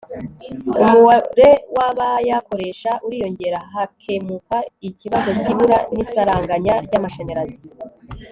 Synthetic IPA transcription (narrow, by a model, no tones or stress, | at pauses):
umuwaɾe̞waβajako̞ɾe̞ʃaʔuɾiːjo̞ɲɟe̞ɾaɦakʰemukaiciβazo̞ciβuɾanisaɾaːŋɡaɲaɾɟaːmaʃaɲeɾazi